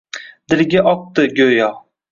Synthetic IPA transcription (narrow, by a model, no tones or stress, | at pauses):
d̪̥ɪɾɡʲaʔɒq̚t̪ɨɡʲɵjɒ